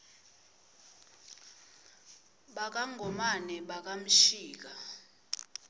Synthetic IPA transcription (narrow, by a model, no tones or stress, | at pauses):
ɓak̬ʼaŋʱɔmanɛɓak̬ʼam̩ʃiːk̬a